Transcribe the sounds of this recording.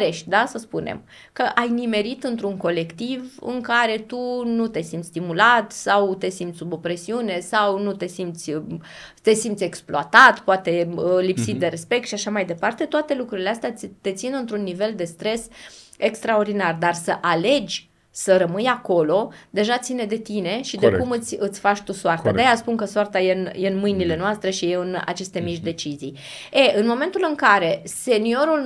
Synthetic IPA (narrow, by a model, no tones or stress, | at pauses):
ɾe̞ʃt̪̚ʲd̪asəspunḛm | kəʔajnime̞ɾit̪ɨnt̪ɾuŋko̞le̞kt̪ivɨ̰ŋkaɾe̞t̪unut̪e̞simt̪ʲst̪imulat̪sawt̪e̞simt̪ssubo̞pɾe̞siune̞sawnut̪e̞simt̪sʲ | t̪e̞simt̪sʲe̞ksploat̪at̪poat̪e̞lipsit̪̚d̪e̞ɾe̞spe̞k̚t̪ʃiaʃamajd̪e̞part̪e̞t̪oat̪e̞lukɾuɾileast̪eat̪e̞t̪sinɨnt̪ɾunːive̞ld̪e̞st̪ɾe̞se̞kst̪ɾao̞rd̪inard̪arsəʔale̞d͡ʒʲ | səɾəmɨjako̞lo̞d̪e̞ʒat̪sine̞d̪e̞t̪ine̞ʃid̪ekumɨt̪sʲɨt̪sʲfat͡ʃt̪usoart̪ad̪eejaspunkəsoart̪ajenjeɨnmɨjnile̞noast̪ɾe̞ʃijeɨna̰t͡ʃe̞st̪e̞miʃd̪e̞t͡ʃizij | eʔɨnmo̞me̞nt̪ulɨŋkaɾe̞se̞nio̞ɾul